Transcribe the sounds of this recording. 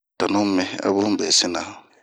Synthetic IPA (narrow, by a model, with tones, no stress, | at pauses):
ta˨nʊ̃˦m˦mɛ̃˦a̰˦bʊ˦bɛ˨sɪ˦nã˨